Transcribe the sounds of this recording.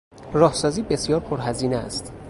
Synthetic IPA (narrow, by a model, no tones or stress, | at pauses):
rɒːhsɒːziːbe̞sjɒːɾpʰoɾɦæziːneæ̰st̪